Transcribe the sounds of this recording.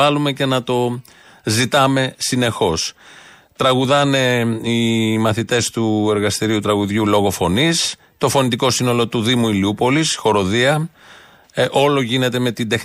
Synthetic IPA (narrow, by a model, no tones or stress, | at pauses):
ɐlume̞ce̞nɐt̪o̞ | zit̪ɐme̞sine̞xo̞s | t̪ɾɐɣuðɐne̞imɐθit̪e̞st̪ue̞ɾɣɐst̪iɾiut̪ɾɐɣuðʝulo̞ɣo̞fo̞nis | t̪o̞fo̞nit̪iko̞sino̞lo̞t̪uðimuiliupo̞lisxo̞ɾo̞ðiɐ | ʔo̞lo̞ʝine̞t̪e̞me̞t̪ind̪e̞x